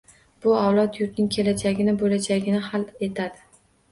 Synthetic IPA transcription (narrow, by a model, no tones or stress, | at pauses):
b̥ʊawlˠɒt̪jʊɾt̪nɪŋkʲʰe̞lad͡ʒaɡʲɪnɪbolad͡ʒaɡʲɪnɪhalˠe̞t̪ʰad̪ɪ